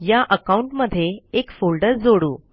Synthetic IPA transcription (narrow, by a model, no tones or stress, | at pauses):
jaʔəkauɳʈməd̪ʱːjeekfolɖəɾd͡zoɽuː